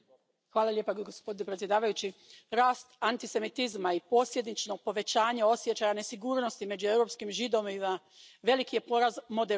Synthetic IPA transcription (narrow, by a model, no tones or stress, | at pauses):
xʋaːlˠalʲjepaɡospod̪inepɾet̪sje̞d̪aːʋajut͡ɕiɾaːst̪ant̪ise̞mit̪izmaipo̞sje̞d̪nit͡ʃnoɡ̚po̞ʋe̞t͡ɕaːɲeo̞sje̞t͡ɕajane̞siɡuːɾno̞st̪ime̞d͡ʑue̞wɾo̞pskimʒid̪o̞miza | ʋe̞likije̞poɾazmo̞d̪e